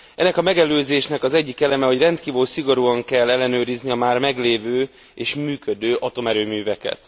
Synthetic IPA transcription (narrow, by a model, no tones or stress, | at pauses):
ɛnːɛkɒmɛɡɛløːzeːʃnɛkɒzɛɟːikɛlɛmɛho̞ɟrɛnt̪kiːvøːlsiɡo̞ɾuːɒŋkɛlːɛlːɛnøːɾizniɒmaːrmɛɡleːvøː | eːʃmyːkød̪øːʔɒt̪o̞mɛɾøːmyːvɛkɛ̰t̪